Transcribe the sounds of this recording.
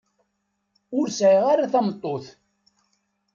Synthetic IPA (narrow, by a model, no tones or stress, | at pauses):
ʊɾsʕiʁaɾaθæmt̪ˤːoθ